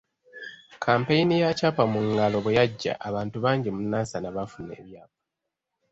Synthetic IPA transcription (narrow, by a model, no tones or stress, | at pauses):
kʰaːmpejinijacapamuŋɡalo̞βwejaɟːa̰ʔaβaːntuβaːɲɟimunaːsanaβafune̞̰ːβjaːp̚ḁ